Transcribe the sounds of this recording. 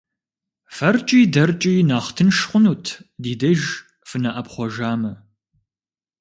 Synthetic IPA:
fɐrt͡ʃʼiːdɐrt͡ʃʼiːnaːχtʰɨnʃχʷʊnuːtʰdiːdɐʒ | fɨnɐʔɐpχʷɔʒaːmɐ

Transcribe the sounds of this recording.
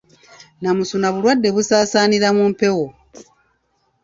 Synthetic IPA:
namusunaβulwadːe̞βusaːsaːniɾamumpe̞wo

